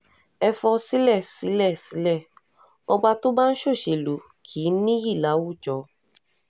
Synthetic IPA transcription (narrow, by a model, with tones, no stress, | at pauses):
ɛ˧fɔ˧si˦lɛ˦˨si˨˦lɛ˦˨si˨˦lɛ˦˨ | ɔ˧ɡ͡ba˧to˦ba˦n̩˦ʃo˦˨ʃe˨lo˨˦ | kʰiː˨˦nĩ˦ji˦˨la˨˦wu˦˨d͡ʒɔ˨˦